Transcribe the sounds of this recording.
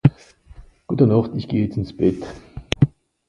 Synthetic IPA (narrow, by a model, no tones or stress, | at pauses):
ɡ̥uːtɐnɔχtɪçɡ̥eːəjɛt͡stɪnsb̥ɛt